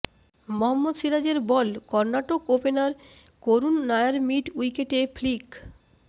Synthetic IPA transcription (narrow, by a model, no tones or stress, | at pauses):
moɦamːod̪ʃiɾad͡ʑeɾbɔlkɔɾnaʈokopenaɾkoɾunːajaɾmiʈujkeʈefʰlik